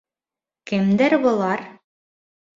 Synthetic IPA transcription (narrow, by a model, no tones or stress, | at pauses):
kɘ̆md̪æɾbolˠɑɾ